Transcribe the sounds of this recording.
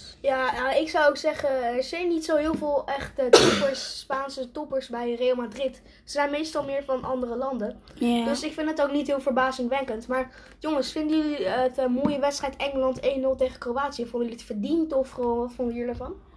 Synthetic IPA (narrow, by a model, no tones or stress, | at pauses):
jaːaɪksɑwowksɛχənɛɹzɛjnːitsowɦɪːlˠvɪːlˠɛχtətɔpəɹsːpaːnsətɔpəɹsbɛjreːlˠmadrɪt | səzɛjnmejstɑlˠmɪːɹvɑnʔɑ̰ndərəlɑndən | døsɪkfɪndətowknitɦɪːlˠvəɹbaːsənʋɛŋkəntmaːɹ | joŋəsfɪndyətmoːjəʋɛtstrɛjtɛŋəlɑntejnːɵlˠtejχəkrowaːtsiəfʊndəydɪtfəɹdintɔfoltfʊndəjələvɑn